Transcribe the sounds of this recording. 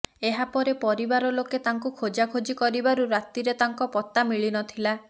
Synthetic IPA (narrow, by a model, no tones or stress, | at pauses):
eɦapɔɾepɔɾibaɾɔloket̪aŋkukʰod͡ʒakʰod͡ʒikɔɾibaɾuɾat̪iɾet̪aŋkɔpɔt̪amiɭinɔt̪ʰila